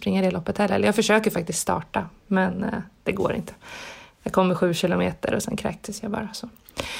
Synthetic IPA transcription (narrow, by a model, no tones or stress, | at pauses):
pɾɪŋːad̪ɛlɔpːət̪hɛlːɛ̰lːəjɑːɡfœʂøːkəɾfak̚t̪ɪsk̪st̪ɑ̰ːʈamɛnd̪̥ɛɡo̰ːɾɪ̰nt̪ʰə̥jɑːɡkʰɔmːəɾɧʉ̟ːɕɪlʊmeːt̪ə̰ɾɔsɛ̰nkʰɾɛ̰ːk̚t̪ʰəsjabɑ̰ːɾasɔ